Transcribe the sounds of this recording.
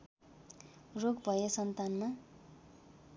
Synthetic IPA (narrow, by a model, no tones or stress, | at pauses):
roɡbʱʌjesʌnt̪anma